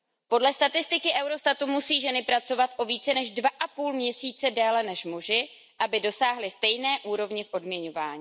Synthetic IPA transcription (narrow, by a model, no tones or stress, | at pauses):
po̞dlɛst̪at̪ɪst̪ɪkɪʔɛwɾo̞st̪at̪umusiːʒɛnɪpɾat͡so̞vat̪ʔo̞viːt͡sɛnɛʒdvaʔapuːlmɲɛsiːt͡sɛdɛːlɛnɛʃmuʒɪ | ʔabɪdo̞saːɦlɪst̪ɛjnɛːʔuːɾo̞vɲɪfʔo̞dmɲɛɲo̞vaːɲiː